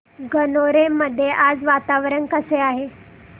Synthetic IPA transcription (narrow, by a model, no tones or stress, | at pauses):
ɡənoɾeməd̪ʱːjeʔad͡zʋat̪aʋɾənkəseaɦe